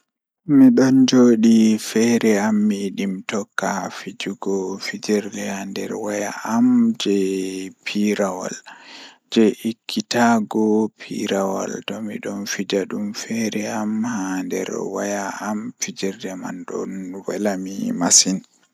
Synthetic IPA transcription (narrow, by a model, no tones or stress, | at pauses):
miɗɔnd͡ʒoːɗifɛɾɛamːiɗimtɔkːafid͡ʒuɡɔfid͡ʒɛɾdɛhandɛ̰ɾwajaʔamd͡ʒɛpʰiɾawa̰l | d͡ʒɛikʰːitaɡɔpʰḭɾawa̰ltɔmḭɗɔnfid͡ʒaɗumfɛɾɛamhandɛ̰ɾwajaːmfid͡ʒɛɾdɛma̰nɗɔ̰nwalamimasin